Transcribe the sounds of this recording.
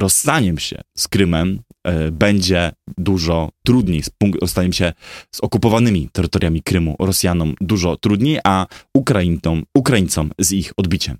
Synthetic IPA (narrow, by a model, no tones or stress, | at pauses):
ɾɔsːaɲɛmɕɛ̰skɾɘmɛmbɛɲd͡ʑɛd̪uʐɔt̪ɾud̪ɲejspuŋkɾɔst̪aɲɛmɕɛz̥ɔkupɔvanɘmʲit̪ɛɾɘt̪ɔɾʲjamʲikɾɘmṵɾɔsʲjanɔmd̪uʐɔt̪ɾud̪ɲejʔaukɾajimukɾajint̪sɔmzixɔd̪bʲit͡ɕɛm